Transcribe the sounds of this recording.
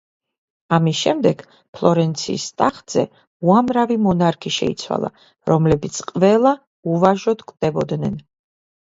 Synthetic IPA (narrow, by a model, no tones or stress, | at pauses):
amisʃɛmd̪ɛɡ̥ | pʰlˠɔɾɛnt̪sʰḭːst̪ʼaχd̪z̥ɛ̰ | uamɾavimɔnaɾkʰiʃɛ̰ḭt̪sʰwa̰lˠa̰ | ɾɔmlɛbit̪sʰqʼvɛlˠa | uvaʒɔd̪kʼd̪̥ɛbɔd̪nɛn